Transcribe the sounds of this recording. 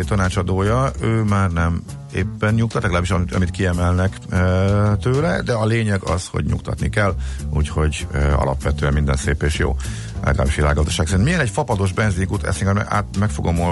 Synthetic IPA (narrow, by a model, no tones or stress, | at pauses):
t̪ɒnaːt͡ʃɒd̪oːjɒøːmaːrnɛm | ḛːpːɛnɲuk̚t̪ɒt̪lɛɒlaːbiʃɒmɒ̰mit̪̚kiɛmɛlnɛk | t̪øːlɛd̪ɛɒleːɲɛɡɒ̰sho̞̰ɟɲṵkt̪ɒ̰t̪nikɛlːṵːcho̞ɟɒ̰lɒ̰pʋɛt̪øɛmmind̪ɛnseːpeːʃjo̰ː | lʔɛ̰ɡɒla̰ːbiʃʋila̰ːɡːɒzd̪ɒʃaːksɛɾinmijɛnɛcfɒpɒd̪o̞ʒbɛnziɲkuːt̪ɛ̰sɛiŋkɛmɛ̰a̰ːmɛkfoɡo̞mo